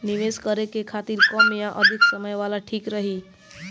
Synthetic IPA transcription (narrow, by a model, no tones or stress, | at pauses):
nɪʋeːskəɾekekʰaːt̪iɾkɔːmjãʔəd̪ʱɪksəməjʋaːlaʈʰiːkɾəɦiː